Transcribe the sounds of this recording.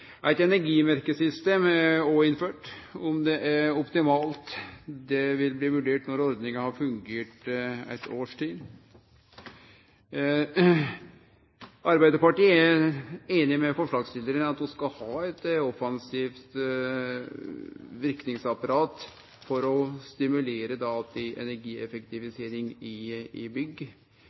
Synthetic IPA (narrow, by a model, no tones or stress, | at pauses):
ʔæɪt̪ɛnæɾɡiːmæɾkəsʏst̪eːmoːɪnføːʈɔmd̪ɛʔæɾɔpt̪ɪmɑːlt̪d̪ɛʋɪlbliːʋʉɖeːʈnɔɾɔɾd̪nɪŋəhɑɾfʉŋɡeːʈæ̰ɪt̪ʰoːʂʈʰiːd̪ | ʔɑɾbæɪd̪əpɑʈiːəææɾeːnɪmɛfɔʂɭɑːɡst̪ɪləɾənɑt̪ɔskɑlhɑːɛt̪ɔfɑnsiːft̪ | ʋɪɾknɪŋsɑpɑɾɑːt̪ | fɔɾɔst̪ɪmʉleːɾəd̪ɑɑlt̪ɪʔɛ̰næɾɡiːɛfəkt̪ɪʋɪseːɾɪŋɪɪbʏɡːə